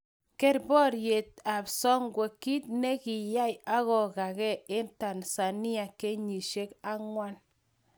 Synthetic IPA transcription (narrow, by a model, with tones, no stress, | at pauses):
ke˦ɾbɔ˦ɾje˨t̚a˨psɔ˦ŋɡwe˨kːi˦t̚ne˦ki˨ja˦ja˦ɣɔ˨ka˨kɛ˦ɪ˦nta˨nsa˨ni˦a˨ke˦ɲi˨ʃe˦ka˦ŋwa˦n